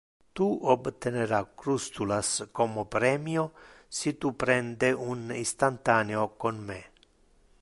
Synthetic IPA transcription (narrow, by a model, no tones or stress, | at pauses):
t̪uobt̪eneɾakɾust̪ulaskɔmopɾɛːmjo | sit̪upɾɛnd̪eunist̪ant̪aːneokonme